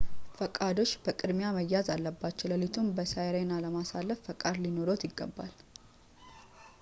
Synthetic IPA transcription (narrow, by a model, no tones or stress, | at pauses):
fəkʼad̪o̞t͡ʃːbəkʼɨd̪mjaməjːazalːəbːat͡ʃːɛləlit̪ʰumbəsajɾenaləmasalːəfːəkʼad̪lino̞ɾot̪jɪɡːə̰bːa̰l